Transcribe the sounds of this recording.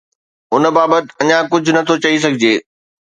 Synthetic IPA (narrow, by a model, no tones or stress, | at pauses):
ʊnbaːbət̪ɪ̥̆ɐɲãkʊd͡ʑʱʊ̆nɐt̪ʰot͡ɕɐis̬ɐɡʱɪd͡ʑeː